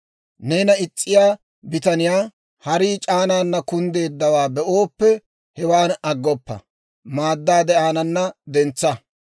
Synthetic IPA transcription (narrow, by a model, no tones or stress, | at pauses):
neːnɐɪt͡sʼːɪjaː | bɪt̪ɐnɪjaː | hɐɾiːt͡ʃʼaːnaːnːɐkʊnd̪e̞ːd̪ːɐwaːbɛʔo̞ːpːɛ | hɛwaːnɐɡːɔpːɐ̰ | maːd̪ːaːd̪ɛʔaːnɐnːɐd̪ɛnt͡sːɐ